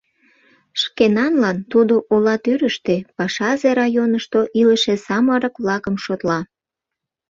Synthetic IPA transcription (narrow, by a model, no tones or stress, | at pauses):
ʃkenɑnlɑnt̪ud̪oʔolɑt̪yɾəʃt̪epɑʃɑzeɾɑjonəʃt̪oʔiləʃesɑməɾəkβlɑkəmʃot̪lɑ